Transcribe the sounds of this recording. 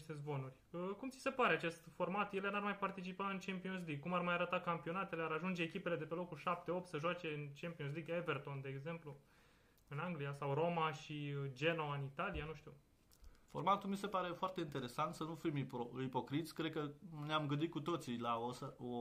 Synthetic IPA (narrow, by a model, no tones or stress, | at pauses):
ʃt̪e̞zbo̞nurʲəkumt̪si̥se̞paɾe̞at͡ʃe̞st̪fo̞rmat̪jelenarmajpart̪it͡ʃipaɨnt͡ʃempions̬liɡ̚kumarmajaɾət̪akampio̞nat̪e̞leaɾaʒund͡ʒe̞ːkʲipe̞le̞d̪e̞pe̞lo̞kulʃap̚t̪e̞o̞p̚t̪səʒoat͡ʃe̞ɨnt͡ʃempions̬liɡeve̞rt̪o̞nd̪e̞ːɡze̞mplu | ɨnaŋɡlijasawɾo̞maʃid͡ʒe̞no̞ɨnit̪alianuʃt̪ṵ | fo̞rmat̪ulmise̞paɾe̞foart̪eint̪e̞ɾe̞sant̪sənufimipoipo̞kɾit̪sʲkɾed̪̚kəneamɡɨnd̪it̪kut̪o̞t̪silaosəo